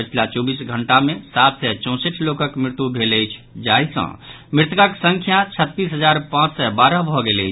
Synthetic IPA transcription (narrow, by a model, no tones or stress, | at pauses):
pət͡ʃʰilat͡ʃɔbisɡʱəɳʈamẽsat̪sɛt͡ʃɔ̃seʈʰlokəkmɾɪt̪ubʱeləjt͡ʃʰd͡ʒaisə̰̃ | mɾɪt̪kaksə̃ŋkʰjat͡ʃʰət̪ːisɦəd͡ʒaɾpãt͡ʃsɛbaɾəbʱɔɡeləjʰ